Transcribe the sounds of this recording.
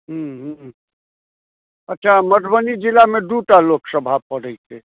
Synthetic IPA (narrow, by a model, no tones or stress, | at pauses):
ɦũɦũ | ətːʃʰaməʈ̪bənid͡ʒilameɖuʈaloksəbʱapəɽəjt͡ʃʰe